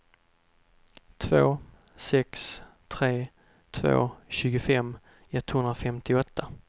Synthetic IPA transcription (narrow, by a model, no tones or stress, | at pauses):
t̪ʰvoː | sɛkst̪ʰɾeː | t̪ʰvo̰ːɕʉ̟ːɡʊfɛm | ɛt̪ːhɵnɾafɛmt̪ɪɔt̪ʰːa